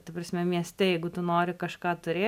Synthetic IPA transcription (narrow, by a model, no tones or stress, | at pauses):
t̪ɐpɾɐsʲmʲɛmʲiɛsʲt̪ʲɛjɛɪɡʊt̪ʊnoːɾʲɪkɐʃkɑːt̪ʊɾʲeː